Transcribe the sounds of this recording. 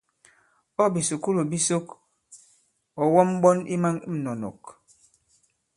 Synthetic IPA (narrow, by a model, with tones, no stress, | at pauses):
ɔ˦bi˨su˨ku˦lo˨bi˦so˦k | ɔ˨wɔ˦m˦bɔ˦nḭ˦ma˦ŋi˦m̩˨nɔ˨nɔ̰˨k